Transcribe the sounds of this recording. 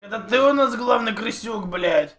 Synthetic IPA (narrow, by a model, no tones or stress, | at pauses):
ɛt̪ət̪ɨʊnasɡlˠavnɨjkɾɨsʲːukblʲæɪt̪ʲ